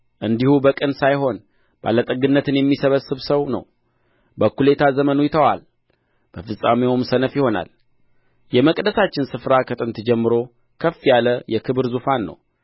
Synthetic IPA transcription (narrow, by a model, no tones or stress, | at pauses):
ʔɨnd̪ihubəkʼənsajɦo̞n | b̥a̰lːət̪ʼəɡɨnːət̪ʰɨnjɛmːisəβəsɨβsəwnə̰w | bəkule̞t̪ʰazəmənujɪt̪ʰəwa̰l | b̥əfɨsʼameumsənəfjɪho̞na̰l | jɛməkʼd̪əsat͡ʃːɪnsɨfɾakʰət̪ʼɨnt̪ɨd͡ʒɛmːɨɾo̞ | kʰəfːjaləjɛkʰɨβɨɾzufanːə̰w